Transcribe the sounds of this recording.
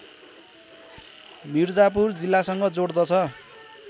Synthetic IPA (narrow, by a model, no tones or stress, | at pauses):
mird͡zap̬urd͡zilːasʌŋɡʌd͡zoɽd̪ʌt͡sʰʌ